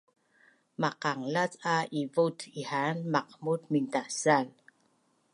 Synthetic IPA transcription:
maqaŋlat͡saʔivutihanmaqmutmintasal

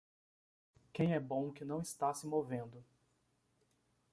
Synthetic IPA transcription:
kẽj̃ɛbõw̃kɪnɐ̃w̃ɪst̪asɪmovẽnd̪ʊ

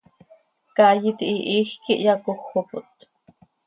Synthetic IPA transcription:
kajit̪iʔiʔiːxkiʔjɑkoxːopʊt̪

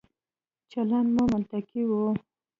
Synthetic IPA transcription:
t͡ʃalanmamʊlt̪akiwu

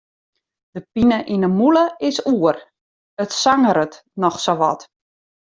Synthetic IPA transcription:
d̥əpinəʔinəmuləɪsuər | ətsaŋəɾət | nɔxsoʋɔ̰t

